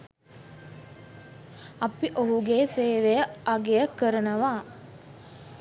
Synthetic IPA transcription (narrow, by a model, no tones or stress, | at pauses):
ɐpiʔoɦuɡeːseːʋejəʔaɡejəkəɾənəʋaː